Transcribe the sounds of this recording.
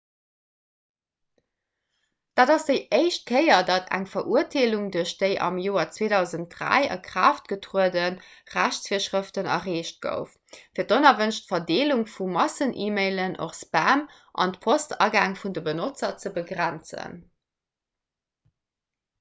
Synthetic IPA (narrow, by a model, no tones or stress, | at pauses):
d̥aːdɑsd̥əɪʔəɪʃt̚kʰəɪɐdɑtæ̰ŋfɐʔuɐtʰeːluŋduɐʃd̥əɪʔɑ̰mjoːɐt͡sweːdɑʊzənt̚dʁæ̰ɪɑ̰kʁ̥aːft̚ɡ̥ətʁuədənʁæɕt͡sfiːɐʃʁəftənɑ̰ʁeːʃt̚ɡ̥ə̰ʊf | fiːɐdonɐvənʃtfɐdeːluŋfumɑsənʔiːmeɪlənʔo̰χsbaːm | ʔɑ̰ntpʰostɑ̰ːɡaːŋfundəbənot͡sɐt͡səbəɡʁænt͡sə̰n